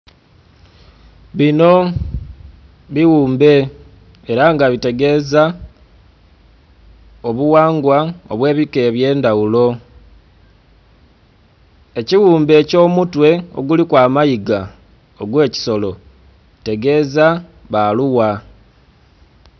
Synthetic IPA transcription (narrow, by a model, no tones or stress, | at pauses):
βino̞ | βiwuːmbe̞ː | ɾaŋɡaβite̞ɡe̞ːza | oβuwaːŋɡwao̰βwe̞ːβike̞βje̞ːndawulo̞ | e̞ciwuːmbe̞ːco̞ːmutwe̞o̞̰ɡulikwaːmajiɡa | oɡwe̞ːci̥so̞lo̞ | te̞ɡe̞ːza | βaluwa